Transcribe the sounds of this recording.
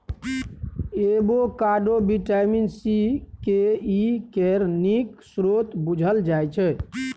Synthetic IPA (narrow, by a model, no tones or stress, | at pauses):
ebokaɖobiʈaminsikeikeɾniksɾot̪bud͡ʒʱəld͡ʒajt͡ʃʰɛ